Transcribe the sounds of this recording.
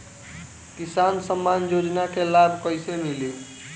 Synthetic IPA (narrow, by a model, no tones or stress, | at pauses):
kisansəmːanjod͡ʒnakelabʱkəjsemili